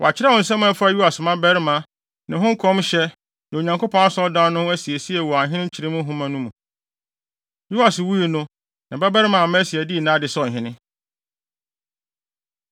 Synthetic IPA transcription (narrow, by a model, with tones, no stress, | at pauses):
wɔ̰˨a˨t͡ɕʰɪ˦ɾɛ˦wɔ̃˨n̩˨s̬ɛ̃˦m̃˦ɛ˦fa˦ju˦a˨smã˦bɛ˦ɾɪ˦mã˨ | nã˨ɦʊ̃˦ŋ̩˦kʰɔ̃˦mɕɛ˦ | nã˨o˨ɲã˨ŋkʰo˦pʰɔ̃˦na˦sɔ˦dã˦nʊ̃˦æ˦si˨e˨si˦ɛ˨wɔ˨a˨ɦɪ̃˦nɪ̃˦t͡ɕʰi˨ɾɪ˦mʊ̃˦ɦʊ̃˦mã˨nũ˦mũ˨ | ju˦da˨swu˦i˨nʊ̃˦ | nã˨bɛ˦bɛ˦ɾmã˨mã˦si˨ɛ˨di˦i˨nãː˦dɪ˨sɔ˦˨ɦɪ̃˦nɪ̃˦